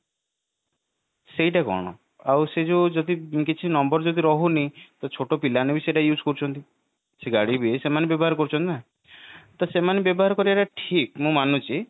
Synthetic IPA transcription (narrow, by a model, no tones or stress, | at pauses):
sejʈakɔ̰ɽ̃ɔ̰ | awsed͡ʒod͡ʒɔd̪ikit͡ʃʰinɔmbɔɾd͡ʒɔd̪iɾɔɦunit̪ɔt͡ʃʰoʈopilanebiseʈajud͡ʒkɔɾut͡ʃʰɔnt̪i | seɡaɽibiesemanebjɔbɔɦaɾɔkɔɾut͡ʃʰɔnt̪ina | t̪ɔsemanebjɔbɔɦaɾɔkɔɾiaʈaʈʰik̚mũmanut͡ʃʰi